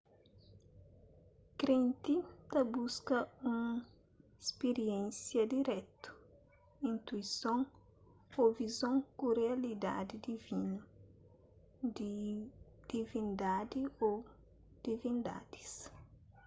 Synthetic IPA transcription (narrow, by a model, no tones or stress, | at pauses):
kɾẽnt̪it̪ɐbuskɐũŋ | espeɾiɛ̃nsjɐd̪iɾɛt̪u̥ | ĩnt̪uisõŋ | ovizõŋkureɐlid̪a̰d̪id̪ivinɐ | d̪i | d̪̥ivĩnd̪ad̪io | d̪̥ivĩnd̪a̰d̪̥i̥s